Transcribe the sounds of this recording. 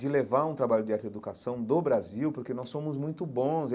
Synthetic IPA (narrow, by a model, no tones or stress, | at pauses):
d͡ʒɪlevaɾũt̪ɾabaʎʊd͡ʒɪaɾt̪ed̪ukasɐ̃w̃d̪obɾaziwpoɾkenɔsːõmʊzmũj̃t̪ʊbõs